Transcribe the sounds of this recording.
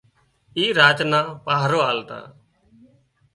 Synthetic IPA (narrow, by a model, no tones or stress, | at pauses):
iːɾaːt͡ʃnaːpaːɦɾoːaːlt̪a̰ː